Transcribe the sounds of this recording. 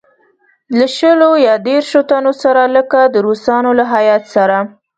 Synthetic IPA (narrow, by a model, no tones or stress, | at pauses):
laʃəlojɑd̪eɾʃot̪anosaɾaləkad̪əɾusɑnolaɦajɑt̪saɾa